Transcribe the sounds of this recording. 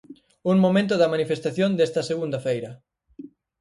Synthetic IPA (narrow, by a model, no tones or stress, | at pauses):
uŋmomẽnt̪̬ʊðɐmanifest̪aθjond̪est̪ɐseɣund̪ɐfejɾɐ